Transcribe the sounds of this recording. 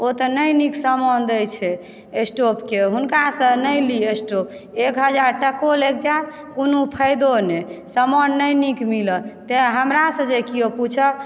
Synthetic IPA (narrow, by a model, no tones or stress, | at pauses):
ot̪ənəjniksəmɔnd̪əjt͡ʃʰɛ | esʈopkeɦunkasə̃nəjliesʈop̚ekɦəd͡ʒaɾʈəkolək̚d͡ʒat̪ʰ | kunupʰəjd̪onesəmɔnːəjnikmilət̪eɦəmɾasə̃d͡ʒekijoput͡ʃʰə